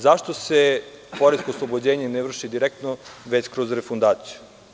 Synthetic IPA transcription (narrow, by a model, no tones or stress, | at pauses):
zaʃt̪osepoɾeskoslˠobod͡ʑeːɲeneʋr̩ʃid̪iɾek̚t̪noʋet͡ɕkɾozɾefund̪aːt̪siju